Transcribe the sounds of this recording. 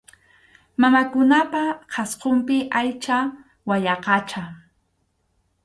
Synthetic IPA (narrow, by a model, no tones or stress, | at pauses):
mamakʊnapaqʰɑsqompɪʔajt͡ʃa | waʎɑqɑt͡ʃa